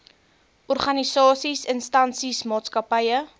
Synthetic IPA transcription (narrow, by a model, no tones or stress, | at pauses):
ʔɔrχɐnisɑːsisənstɐnsismɑːtskɐpəjə